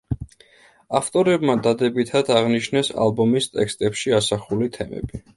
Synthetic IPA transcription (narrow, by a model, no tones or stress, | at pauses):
aft̪ʼɔɾɛbmad̪ad̪ɛbit̪ʰad̪aʁniʃnɛsa̰lbɔmist̪ʼɛkst̪ʼɛpʃiasaχulit̪ʰɛmɛ̰bi